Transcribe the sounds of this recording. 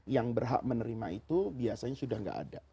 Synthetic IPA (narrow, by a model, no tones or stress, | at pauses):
jaŋbərɦa̰ʔmənəɾimait̪ubiasaɲasudahŋɡa̰ʔa̰da